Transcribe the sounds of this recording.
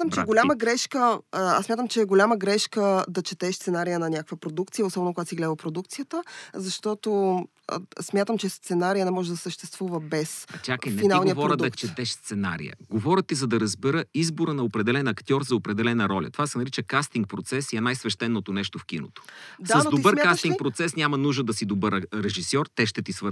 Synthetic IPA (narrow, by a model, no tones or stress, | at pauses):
at̪əmt͡ʃɛɡolʲaməɡɾɛʃkəa̰sːmʲjat̪əmt͡ʃɛɡolʲaməɡɾɛʃkəd̪ɐt͡ʃɛt̪ɛʃst̪sɛnaɾijənɐnʲakəkvəpɾod̪uk̚t̪sijəosɔbɛnokoɡat̪siɡlʲɛd̪əlˠpɾod̪uk̚t̪sijət̪əzɐʃt̪ɔt̪o̰ | smʲjat̪əmt͡ʃɛst̪sɛnaɾijənɛmɔʒɛd̪ɐsəʃt̪ɛst̪vuvəbɛsɐt͡ʃakəjninalˠniəvɔɾəd̪ɐt͡ʃɛd̪ɛʃst̪sɛnaɾḭjə̰ɡovɔɾʲət̪izɐd̪ɐɾɐzbɛɾəizboɾənɐopɾɛd̪ɛlɛnɐkt̪ʲjɔɾzɐopɾɛd̪ɛlɛnəɾɔlʲɐ̰t̪ovasɛnɐɾit͡ʃəkast̪iŋk̚pɾot̪sɛsiɛnajsvɛʃt̪ɛnːot̪onɛʃt̪ofk̟ino̰t̪o̥dsaəznotd̪oibəɾmkaast̪iŋkpɾot̪sɛsnʲamɐnuʒd̪əd̪ɐsid̪obəɾɾɛʒisjɔɾt̪ɛʃt̪ɛt̪isvəɾ